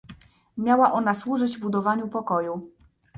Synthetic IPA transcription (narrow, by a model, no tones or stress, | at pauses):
mʲjawaʔɔnaswuʐɘd͡ʑvbud̪ɔvaɲupɔkɔju